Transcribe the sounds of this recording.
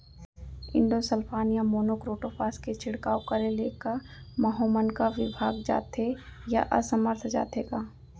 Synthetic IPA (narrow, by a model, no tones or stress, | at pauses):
ɪ̰̃ɳɖosəlpʰaːnijamoːnoːkɾoːʈopʰaːsket͡ʃʰɪɽkaːokɐɾeleːkamɐɦoːmənkaʋɪbʱaːɡd͡ʒa̰ːt̪eja̰ʔɐ̰səməɾt̪ʰd͡ʒa̰ːt̪eːɡaː